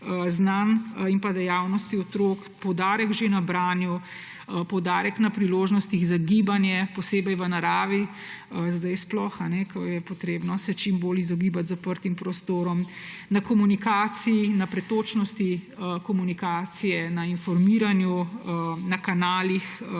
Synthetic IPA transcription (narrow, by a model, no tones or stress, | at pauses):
znanimpad̪ɛjaːwnɔst̪iɔt̪ɾoːk | pɔwd̪aːɾəkʒenabɾaːnju | pɔwd̪aːɾəknapɾiloːʒnɔst̪iɣzaɡibanjɛpɔseːbɛjʋənaɾaːʋi | zd̪ajsplɔxanɛkəjɛpɔt̪ɾeːbnɔsɛt͡ʃimboːlizɔɡibat̪zapəɾt̪impɾɔst̪oːɾɔmnakɔmunikaːt̪siinapɾɛt̪oːt͡ʃnɔst̪iəkɔmunikaːt̪sijɛnainfɔɾmiɾanju | nakanaːlix